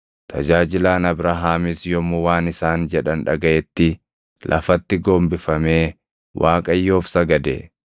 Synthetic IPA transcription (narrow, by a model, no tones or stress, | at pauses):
t̪ʰɐd͡ʒaːd͡ʒɪlaːnɐbɾaɦaːmɪsjɔmʊwaːnɪsaːnd͡ʒɛᶑɐnᶑɐɡɐʔɛt̪ːɪ | lʔɐ̰fɐt̪ːɪɡoːmbɪfɐmeː | wʔaːkʼɐjːo̞ːfsɐɡɐd̪ḛ